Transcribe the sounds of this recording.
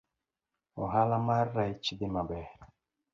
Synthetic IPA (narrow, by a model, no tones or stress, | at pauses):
oɦalamaɾɾajt͡ʃidimabɛ